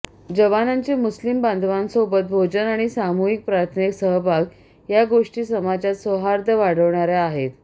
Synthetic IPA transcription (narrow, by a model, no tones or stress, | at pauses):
d͡ʑəʋanaɲt͡ɕemuslimband̪ʱʋansobət̪̚bʱod͡ʑənaɽ̃isamuɦik̚pɾaɾt̪ʰneksəɦəbʱaɡ | jaɡoʂʈiːsəmad͡zat̪sʋəɦaɾd̪ʱəʋaɽ̤əʋɳaɾjaaɦet̪